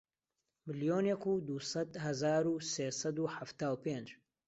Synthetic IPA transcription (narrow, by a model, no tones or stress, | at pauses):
mɨlijoːnekuːd̪usɐd̪hɐzaːɾuseːsɐd̪uːħaft̪aːwpend͡ʒ